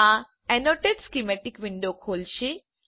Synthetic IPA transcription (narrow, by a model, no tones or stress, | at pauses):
a | ɛnoʈeɖskimeʈikʋiɳɖokʰoːlʃi